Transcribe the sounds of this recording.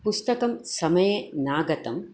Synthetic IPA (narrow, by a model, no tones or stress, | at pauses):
pust̪ɐkɐmsɐmɐjenaːɡɐt̪ɐm